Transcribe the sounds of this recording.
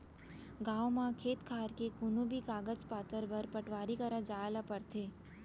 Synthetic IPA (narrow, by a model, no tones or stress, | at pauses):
ɡaːomãkʰeːt̪kʰaːɾkekʊnubikaːɡəd͡ʒpaːt̪əɾbɐɾpəʈʋaːɾikɐɾad͡ʒaːelapɐɾt̪ʰeː